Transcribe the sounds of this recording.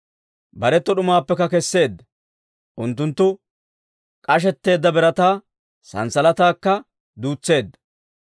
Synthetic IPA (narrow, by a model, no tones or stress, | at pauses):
bɐɾɛt̪ːɔɗʊmaːpːɛkːɐkɛsːe̞ːd̪ːɐ | ʔʊnt̪ːʊnt̪ːʊ | kʼɐʃ̬ɛt̪ːe̞ːd̪ːɐbɛɾɐt̪aː | sɐ̰nsɐlɐt̪aːkːɐ | d̪uːt͡sːe̞ːd̪ːɐ̥